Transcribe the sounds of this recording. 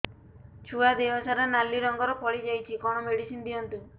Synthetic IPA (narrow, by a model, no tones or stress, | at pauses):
t͡ʃʰuad̪eɦɔsaɾɔnalːiɾɔŋɡɔɾɔkʰɔɭid͡ʒajt͡ʃʰikɔɽ̃ɔmeɽisind̪iɔnt̪u